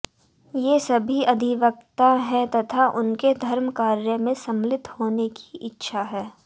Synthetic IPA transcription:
jesɐbʱiɐd̪ʱɪʋək̚t̪aɦɛt̪ɐt̪ʰaʔʊnked̪ʱɐɾmkaːɾjəmẽsɐ̃mlɪt̪hoːneki̥ɪtːʃʰaɦɛː

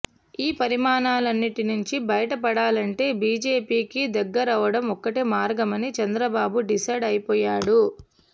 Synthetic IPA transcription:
iːpɐɾimaːnaːlɐnːiʈinuɲt͡ʃibɐjɐʈɐpɐɽaːlɐɳʈe̞ːbiːd͡ʒe̞ːpiːkid̪ɐɡːɐɾɐʋɐɽɐmɔkːɐʈimaːɾɡɐmɐnit͡ʃɐnd̪ɾɐbaːbuɖisɐjɖɐjpɔːjaːɽu

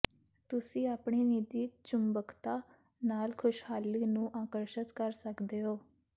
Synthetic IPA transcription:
t̪ʊsĩːaːpɳiːniːd͡ʒ̪iːt͡ʃʊmbəkt̪aː | naːlkʰʊʃhaːlːiːnũːʔaːkəɾʃət̪kəɾsəkd̪eːɦoː

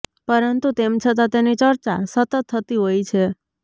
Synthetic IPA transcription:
pəɾənt̪ut̪emt͡ʃʰət̪̬at̪enit͡ʃəɾt͡ʃa̰sət̪ət̪ʰːət̪iɦojt͡ʃʰe

